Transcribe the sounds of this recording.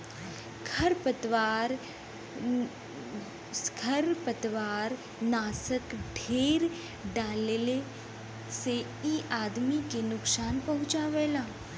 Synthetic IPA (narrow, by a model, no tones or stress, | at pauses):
kʰɐɾpət̪ʋaːɾ | kʰɐɾpət̪ʋaːɾ | naːsəkɖʱeːɾ | ɖaːlele | se | iːʔaːd̪mikenʊksaːnpɐɦʊ̃t͡ʃaːʋeːlaː